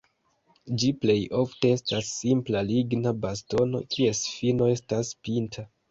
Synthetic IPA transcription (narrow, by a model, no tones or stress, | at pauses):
d͡ʒiple̞jo̞fte̞e̞stasːimplaliɡnabasto̞no̞̰kʰie̞sfino̞e̞staspintʰa